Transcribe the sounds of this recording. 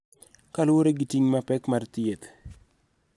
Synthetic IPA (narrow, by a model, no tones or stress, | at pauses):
kalʊoɾeɡitiŋmapɛkmart̪ɪet̪